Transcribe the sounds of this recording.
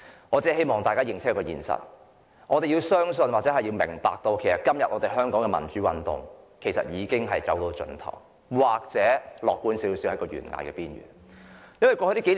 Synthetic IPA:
ŋɔː˨˧t͡sɛː˥˩he˥jmɔː˨ŋt̪aː˨jkaː˥jɪ˨˧ŋt͡ssʰkːɐ˥kɔ˧jiː˨˩nsɐ̰˨t̚ | ʔɔː˨˧t̪e˨ji˧wsœː˥ŋs̬nwaː˨k̚t͡sɛ˨˥ɦɐ˨jiː˧wmɪ̰˨˩ŋpa̰ː˨k̚t̪o˧wkʰe˨˩jsɐ˨˩t̚kɐ˥mjɐ˨t̚ʔɔː˨˧t̪e˨jɦœː˥ŋkɔː˨˥ŋkɛː˧mɐ˨˩nt͡ʃyː˨˥wɐ˨nt̪ʊ̰˨ŋkʰe˨˩jsɐ̰˨t̚jiː˨˧kɪ˥ŋɦɐ˨jt͡sɐ˨˥wt̪o˧wt͡ʃɵ̰˧˥nt̪ʰɐ̰˨˩w | waː˨k̚t͡sɛː˨˥lɔː˨kːuː˨˥nsiː˨˥wsiː˨˥whɐ˨˥kɔː˧ɥy̰ː˨˩nŋa̰ː˧jkɛ̰ː˧piː˥nɥy̰ː˨˩n | jɐ˥nwɐ˨˩kɔː˧hɵ˧˥t̪i˥ke˨˥l

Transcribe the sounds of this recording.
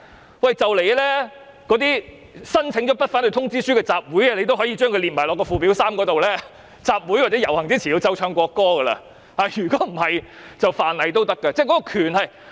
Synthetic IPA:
wɐ˨jt͡sɐ˨wle˨jlɛː˥ | kɔː˨˥t̪iː˥ | sɐ˥nt͡sʰɪ˨˥ŋt͡ʃɔ˨˥pɐ˥t̚fa˨˥nt̪ɵ˧t̪ʰʊ˥ŋt͡siː˥syː˥kɛ˧t͡saː˧p̚wu˨˥jɐ˧le˧jt̪o˥wɦɔ˨˥jiː˧t͡ʃœː˥ŋkʰɵ˧liː˨t̚maː˨˩lɔː˨˩kːɔː˧fuː˨˩pi˨˥wsaː˥mkɔː˧˥t̪o˨wlɛː˥ | t͡saː˧p̚wu˨˥jwaː˨t̚t͡sɛ˨˦˥jɐ˨˩whɐ˨˩ŋt͡siː˥t͡sʰiː˨˩jo˧wt͡sɐ˧wt͡ʃʰœː˧ŋkʷɔː˧kːɔː˥ɡɐ˧lɐ̰˧ | haː˨˧jyː˨˩kɔː˨˥m̩˨˩hɐ˨j | t͡sɐ˨wfaː˨nlɐ˨jt̪o˥wt̪ɐ˥kːɐ˧t͡sɛː˥˩jkɔ˨˥kɔː˧kʰyː˨˩nhɐ˨j

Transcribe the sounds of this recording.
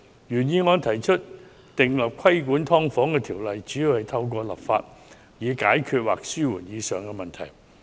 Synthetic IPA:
jyː˨˩njiː˧ŋɔː˨˧nt̪ʰɐ˨˩jt͡ʃʰɵ˥t̚ | t̪ɪ˨ŋlɐ˨˩p̚kʰwɐ˥jkuː˨˥nt̪ʰɔː˥ŋfɔː˨˥ŋkɛː˧t̪ʰiː˨˩wlɐ˨jt͡ʃyː˨˥jiː˧whɐ˨˩jt̪ʰɐ˧wk̬ʷɔː˧lɐ̰˨p̚fa̰ː˧t̚ | jiː˨˧kaː˨˥jkʰyː˨˧t̚waː˨k̚syː˥wu˨˩njiː˨˧sœː˨ŋkɛː˧mɐ˨˩nt̪ʰɐ̰˨˩j

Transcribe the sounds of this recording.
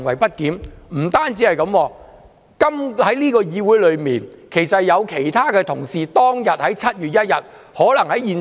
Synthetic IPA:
ŋwɐ˨˩jpɐ˥t̚kiː˨˥mm̩˨˩t̪aː˥nt͡siː˨˥hɐ˨jkɐ˨˥mwɔː˧ | kɐ˥mhɐ˨˥jliː˥kɔː˧jiː˧wu˨˥jlɵ˨˧ɥmiː˨n | kʰe˨˩jsɐ˨jɐ˨˧wkʰe˨˩jt̪ʰaː˥kɛː˧t̪ʰʊ̰˨˩ŋsiː˨t̪ɔː˥ŋjɐ˨t̚hɐ˨˥jt͡sʰɐ˥t̚jyː˨˩t̚jɐ˥t̚jɐ˨t̚ | hɔː˨˥lɐ˨˩ŋhɐ˨˥jiː˨n

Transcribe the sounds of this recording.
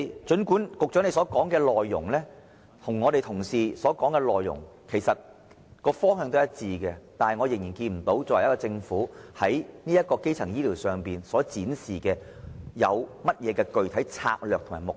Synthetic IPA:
t͡ʃɵ˨˥nkuː˨˥nkʊ˨k̚œː˨˥ŋne˧jsɔː˨˥kɔː˨˥ŋkɛː˧lɔː˨jːʊ̰˨˩ŋlɛː˥ | t̪ʰʊ˨˩ŋːɔː˨˧ɾe˨jt̪ʰʊ˨˩ŋsiː˨sɔː˨˥kɔː˨˥ŋkɛː˧lɔː˨jːʊ̰˨˩ŋ | kʰe˨˩jsɐ˨t̚ | kɔː˧fɔː˥ŋhœː˧ŋt̪o˥jɐ˥t̚t͡siː˨˧kɛ˧t̪aː˨nhɐ˨jŋɔː˨˧jɪ˨˩ŋjiː˨˩nkiː˧nm̩˨˩t̪o˨˥wt͡sɔː˧wɐ˨˩jɐ˥kɔ˧t͡sɪ˧ŋfuː˨˥hɐ˨˥jniː˥jɐ˥t̚kɔː˧ke˥jt͡sʰɐ˨˩ŋjiː˥liː˨˩wsœː˨˩ŋpiː˨nsɔː˨˥t͡siː˨˥nsiː˨kɛː˧ | jɐ˨˧wmɐ˥t̚jɛː˨˧kɛː˧kɵ˨ɥt̪ʰɐ˨˥jt͡sʰa̰ː˧k̚lœː˨k̚t̪ʰʊ˨˩ŋmaː˨˩mʊ˨k̚

